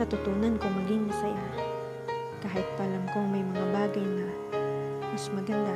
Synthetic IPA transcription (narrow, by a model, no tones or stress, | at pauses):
ɐt̪ʊt̪unankomɐɡɪŋmɐsɐja | kaːhɪt̪̚pɐʔlamkoŋmɐjmɐŋabaːɡɐjnɐ | mɐsmɐɡɐnd̪a